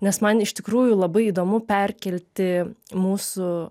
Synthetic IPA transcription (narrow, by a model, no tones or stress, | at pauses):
nʲɛsmɐnɪʃt̪ʲɪkɾuːjʊlˠɐbɐɪiːd̪oːmʊpʲɛɾʲkʲɛlʲt̪ʲɪmuːsʊ